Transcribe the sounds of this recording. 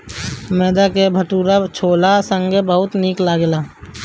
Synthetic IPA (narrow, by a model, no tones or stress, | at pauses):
mɛːd̪akebʱəʈuːɾat͡ʃʰoːlasə̃ŋɡebəɦʊt̪niːklaɡlaː